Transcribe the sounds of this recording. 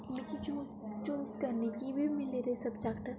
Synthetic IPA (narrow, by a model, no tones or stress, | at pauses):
mɪkit͡ʃoːst͡ʃoːskɐɾnekibʱimɪleɾesɐbd͡ʒaːkʈəɾ